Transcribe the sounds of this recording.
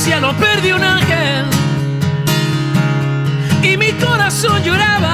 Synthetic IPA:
sjanõpeɾðjiunãŋxe | l | imikoɾasõnd͡ʒoɾaβa

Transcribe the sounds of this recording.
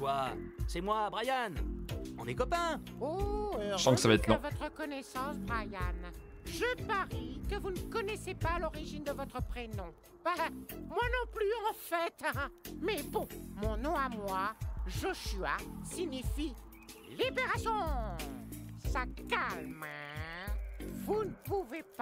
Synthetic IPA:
kwasɛmwabʁajanɔ̃nɛkɔpɛ̃ | osɑ̃kəsavaɛt̪lɔ̃vɔt̪χəkɔnɛsɑ̃sbʁajan | ʒəpaʁikəvunəkɔnɛsepalɔʁiʒind̪əvɔt̪χəpχenɔ̃ | amwanɔ̃plyɑ̃fɛt̪mɛbɔ̃mɔ̃nɔ̃amwaʒoʃya̰siɲifi | libeʁasjɔ̃ | sakalm | vunəpuvep

